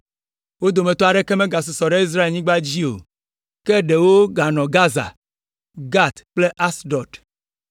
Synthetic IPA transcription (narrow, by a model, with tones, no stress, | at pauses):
wo˦d̪o˨mẽ˨t̪ɔ˦a˨ɖe˦ke˦mẽ˦ɡa˨s̬o˨sɔ˨ɖe˦i˦s̬ɾa˦e˨lɲĩ˦ɡ͡ba˦d͡ʑi˦o̰˨ | ke˦ɖe˨wo˦ɡa˨nɔ̃˨ɡa˦za̰˨ | ɡa˦t̪k͡ple˦ʔa˦sɖɔ˨d